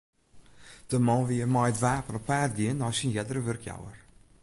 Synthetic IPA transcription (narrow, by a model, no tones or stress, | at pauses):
d̥əmɔnʋiəmɔjətʋaːpənɔpːaːt̚ɡiənːɔjsinjɛdərəʋørkʰja̰wər